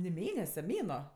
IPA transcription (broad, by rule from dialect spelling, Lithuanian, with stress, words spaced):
nʲɪ ˈmʲeːnʲɛsʲɛ ˈmʲeːnuɔ